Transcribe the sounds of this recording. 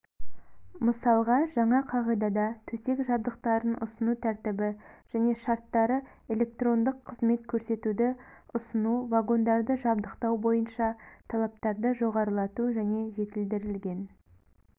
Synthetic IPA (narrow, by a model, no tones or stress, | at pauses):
məsɑlˠʁɑʒɑɴɑqʰɑʁɑjd̪ɑd̪ɑt̪ʰɵse̞kʒɑb̚d̪əq̚t̪ɑɾənʊ̰sənut̪ʰæɾt̪ɪbɪʒ̥æne̞ʃɑɾt̪ːɑɾə | e̞lʲe̞k̚t̪ro̞nd̪əqʰːəzme̞t̪kʲʰɵɾse̞t̪ud̪ɪʊsənuvaɡo̞nd̪ɑɾd̪əʒɑbd̪əqt̪ɑwbo̞jənʃɑt̪ʰɑlˠɑp̚t̪ɑɾd̪əʒo̞ʁɑɾəlˠɑt̪uʒæne̞ʒe̞t̪ɪld̪ɪɾɪlɡʲe̞n